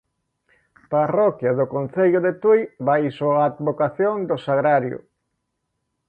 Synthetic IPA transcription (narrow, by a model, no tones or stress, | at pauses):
parɔkjaðʊkon̟θeʎʊðet̪ujbajsoaːd̪βokaθjoŋd̪osaɣɾaɾjʊ̰